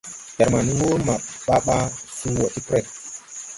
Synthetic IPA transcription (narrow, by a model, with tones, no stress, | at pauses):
d͡ʒɛ˨ɾma˨ni˨wo˦ma˨ɓa˦ɓa˦su˦˨wɔ˨ti˦kɾɛ˦˨t̚